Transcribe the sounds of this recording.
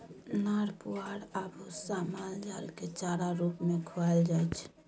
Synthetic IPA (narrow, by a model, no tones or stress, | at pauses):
naːɽpuaːɽabusamaːnd͡ʒaːlket͡ʃaːɾaɾuːpmẽkʰoald͡ʒaːɛt͡ʃʰ